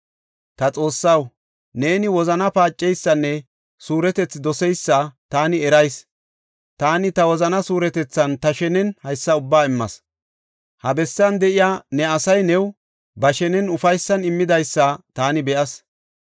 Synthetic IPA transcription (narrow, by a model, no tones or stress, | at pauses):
t̪ɐt͡sʼo̞ːsːɐw | ne̞ːnɪwɔzɐnɐpaːt͡ʃʼːɛjsːɐnːɛ | suːɾɛt̪ɛt͡sːd̪ɔsɛjsːɐt̪aːnɪɛɾɐjs | t̪aːnɪt̪ɐwɔzɐnɐsuːɾɛt̪ɛt͡sːɐnt̪ɐʃɛnɛnhɐjsːɐʊbːaːɪmːɐ̰s | hɐbɛsːɐnd̪ɛʔɪjaːnɛɐsɐjnɛw | bɐʃɛnɛnʊfɐjsːɐnɪmːɪd̪ɐjsːɐt̪aːnɪbɛʔɐs